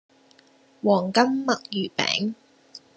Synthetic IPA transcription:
wɔː˨˩ŋkɐ˥mːɐ˨k̚jyː˨˩pɛ̰ː˨˥ŋ

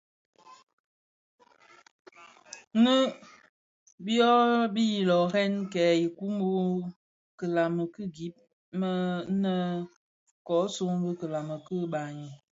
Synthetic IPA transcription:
nə˦ | bjɔ˦bi˦ji˨lɔ˨hɛ˦nkɛ˨˦i˨ku˦mbo˦ | kə˨la˨mə˨kɨ˦ɡi˦p̚ | mə˦nə˦ | kɔ˨˦so˦ŋbə˦kə˨la˨mə˨kə˦ba˨ɲi˨

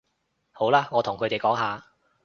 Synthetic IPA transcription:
ho˨˥wlaː˥ŋɔː˨˧t̪ʰʊ˨˩ŋkʰɵ˨˧t̪e˨jkɔː˨˥ŋɦaː˨

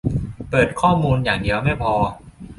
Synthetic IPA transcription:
pɤː˨˩t̪̚kʰɔː˥˩muː˧njaː˨˩ŋdi˧əwma˥˩jpʰɔː˧

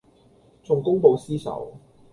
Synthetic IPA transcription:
t͡sʊ˨˩ŋkʊ˥ŋpo˨˧wsiː˥sɐ̰˨˥w

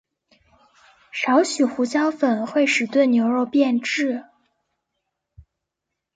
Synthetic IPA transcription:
ʂɑ˧˥ʊɕy˨˩xu˧˥t͡ɕjɑ˥ʊfə˨˩nxwe˥˩ɪʂɻ̩˨˩t̪we˥˩ɪnjo˧˥ʊɻo˥˧ʊpjɛ˥˧nʈ͡ʂɻ̩˥˩

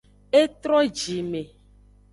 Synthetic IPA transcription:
e˦t̪ɾɔ˦d͡ʒi˨me˨

